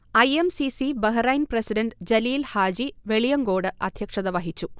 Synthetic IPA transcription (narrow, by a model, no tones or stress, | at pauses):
ɐjemsisibɐɦɨrɐjnprɐsiɖɐnɖd͡ʑɐliːlhaːd͡ʑiʋe̞ɭijɐŋɡoːɽɨʔɐ̰d̪ʱjɐkʂɐðɐʋɐɦit͡ɕːu